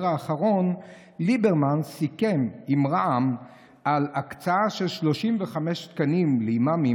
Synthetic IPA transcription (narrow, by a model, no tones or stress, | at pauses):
ʁaːχaʁo̞n | libeʁmansike̞mimʁaam | alakt͡saaʃe̞lʃlo̞ʃimveχameʃt̪kanimleimami